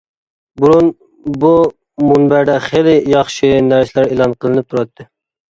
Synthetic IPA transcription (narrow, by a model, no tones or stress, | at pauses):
buɾun | bu | munbæɾd̪ɛχelɪjɑχʃɨnæɾslæɾelˠɑnqʰəlˠɨnɨp̚t̪ʰuɾɑt̪ʰːɨ